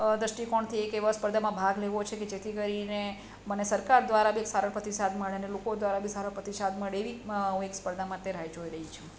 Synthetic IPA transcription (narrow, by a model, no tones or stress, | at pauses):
d̪ɾəʃʈikɔɳt̪ʰiekeʋəspəɾd̪ʱamãbʱaɡleʋot͡ʃʰeked͡ʒet̪ʰikəɾine | mənesəɾkaɾd̪ʋaɾabʱieksaɾəɳpɾət̪isad̪məɭeənelokod̪ʋaɾabʱisaɾəpɾət̪isad̪məɭeʋiũekspəɾd̪ʱamãt̪eɾajd͡ʒoiɾəɦit͡ʃʰe